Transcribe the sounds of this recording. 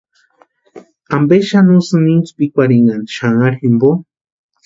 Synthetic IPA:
ambeʃanusɨnint͡su̥pikʷaɾiŋɡand̪iʃaŋaɾximbo

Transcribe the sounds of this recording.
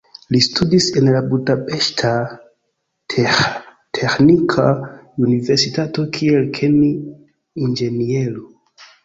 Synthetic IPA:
listʰudise̞nlabudape̞ʃtʰa | tʰexnikʰaunive̞ɾsitato̞kʰielkʰeni | ind͡ʒe̞nieɾo

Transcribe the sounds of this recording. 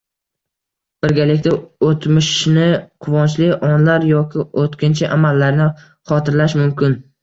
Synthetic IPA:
b̥ɪɾɡʲalɪkʲt̪aot̪ʰmɪʃnɪqʰʊvɒnt͡ʃlɪʔɒnlaɾjɒkʲɪot̪kʲʰɪnt͡ʃʰɪʔamalːaɾnɪ | χɒt̪ʰɪɾlaʃmʊmkʲɪn

